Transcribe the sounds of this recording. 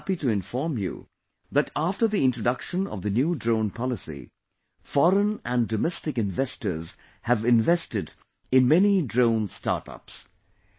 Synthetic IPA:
pituɪ̃ɱfɔɹmjṵ | ðætaftə˞ðiɪ̃ntɹ̥əɖʌkʃə̃nʌ̰vðɨnjuːdɹõʊ̃npʰɑlɪsḭ | fɔɾə̃næ̃ndɔmɛstɨkɪ̃nvɛstə˞z̥ | hævɪ̃nvɛstɪd | ɪ̃nmɛnidɹõʊ̃nstɑ̰ɾʈʌ̰ps

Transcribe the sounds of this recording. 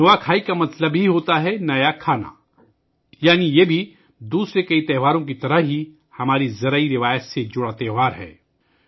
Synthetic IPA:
nɐʋakʰaːikamɐt̪ləbɦiɦoːt̪aɦɛnɐjakʰaːna̰ | jaːnijebʱi | d̪uːsɾekɐit̪ɛːɦʋaːɾõk̬it̪ɐɾəɦɦi | hɐmaːɾizɐɾəiɾɪʋaːjət̪sed͡ʒʊɽat̪ɛːɦʋaːɾɦɛ̰ː

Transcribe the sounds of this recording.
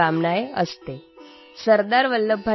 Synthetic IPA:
amnajeəst̪e | səɾd̪aɾʋəlːəbʱə

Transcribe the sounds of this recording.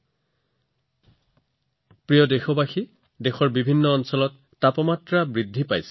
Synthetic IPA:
pɹijɔdexɔbaxi | dexɔɹbibʱinːɔɔnsɔlɔtːapɔmatɹabɹidʱːipajsɛ̥

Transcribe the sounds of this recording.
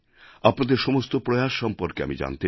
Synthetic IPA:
apnad̪eɾʃɔmost̪opɾojaʃʃɔmpoɾkea̰mid͡ʑa̰nt̪e

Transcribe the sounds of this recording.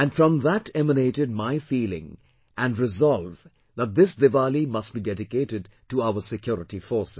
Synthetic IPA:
æ̃nfɾʌ̃mðætɛməneɪʈɨd̚maɪfiːlɪ̰̃ŋ | ʔæ̃nɖɹɪzɑlˠv | ðæt̪̚ðɪsd̪ɪvalimʌst̚b̥idɛdɪkeɪɾɨd̚ | ʈuaʊəsɨkʰjɔɾɪʈifɔɹsɪ

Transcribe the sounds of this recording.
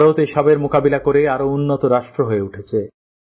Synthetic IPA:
ɾot̪eʃɔbeɾmokabilakoɾeaɾounːot̪oɾaʃʈɾoɦoeuʈʰet͡ɕʰe

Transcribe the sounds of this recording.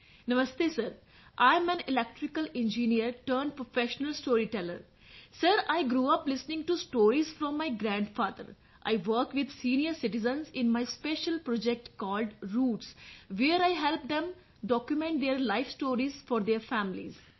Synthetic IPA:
nəməst̪esəɾ | ʔãɪ̃mæ̃nɪlɛk̚ʈɾɪkəlẽnd͡ʒiniəɾʈəːɾɳɖpɾofeʃənəlsʈoːɾiʈɛlə̰ɾ | səɾaɪɡɾuːʌplɪsnɪ̃ŋɡʈusʈoːɾizfɾɔ̃mːaɪɡɾæ̃ɳɖfaːd̪ə̰ɾ | ʔa̰ɪʋəɾkʋɪd̪sĩːniəɾsɪʈɪzə̃nsɪ̃nmaɪspeʃəlpɾɔd͡ʒek̚ʈkɔːlɖɾuːʈsʋeːɾaɪɦɛlp̚d̪ɛ̃m | ɖɔkjumẽɳʈ̚d̪eəɾlaɪfsʈoːɾizfɔːɾd̪eːɾfæ̃mɪlḭz

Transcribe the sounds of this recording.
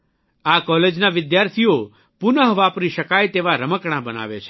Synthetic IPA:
akɔled͡ʒnaʋɪd̪jaɾt̪ʰijo | pʊnəɦʋapɾiʃəkajt̪eʋaɾəməkɳ̃abəna̰ʋḛt͡ʃʰe̥

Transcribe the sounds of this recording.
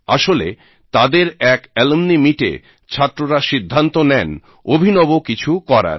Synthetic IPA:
a̰ʃolḛ | t̪ad̪eɾɛkɛlemnimiʈḛ | t͡ɕʰat̪ːɾoɾaʃid̪ʱːant̪onɛn | obʱinɔbokit͡ɕʰukɔɾa̰ɾ

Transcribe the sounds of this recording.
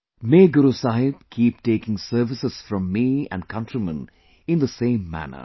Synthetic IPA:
meːɡʊɾusaːɦɪb̥̚kʰiːp̚ʈeːkɪ̃ŋsəɾʋɪsɨz̥fɾɔ̃mːiæ̰̃nɖ̚kʰʌ̃ntɾimə̃n | ɪ̃nd̪əsẽɪ̃mːæ̰nə̰

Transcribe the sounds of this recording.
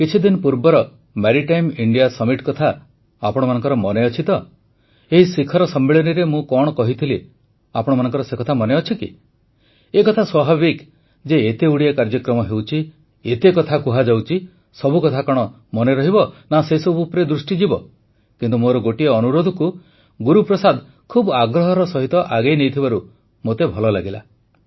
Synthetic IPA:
kit͡ʃʰid̪inɔpuɾbɔɾɔ | meɾiʈajmiɳɖijasɔmiʈkɔt̪ʰa | apɔɽ̃ɔmanɔ̃ŋkɔɾɔmɔneɔt͡ʃʰit̪ɔ | eɦisikʰɔɾɔsɔmːeɭɔniɾemũkɔɽ̃ɔkɔɦit̪ʰile | apɔɽɔmanɔŋkɔɾɔsekɔt̪ʰamɔneɔt͡ʃʰikḭ | ekɔt̪ʰaswabʱabik | d͡ʒeet̪euɽiakaɾd͡ʒɔkɾɔmɔɦewt͡ʃʰi | et̪ekɔt̪ʰakuɦad͡ʒawt͡ʃʰi | sɔbukɔt̪ʰakɔɽ̃ɔ | mɔneɾɔɦibɔnaseisɔbuːpɾed̪ɾusʈid͡ʒibɔ | kint̪umoɾɔɡoʈieɔnuɾod̪ʱɔku | ɡuɾupɾɔsad̪ | kʰubaɡɾɔɦɔɾɔsɔɦit̪ɔʔaɡejnejt̪ʰibaɾu | mot̪ebʱɔlɔlaɡila̰

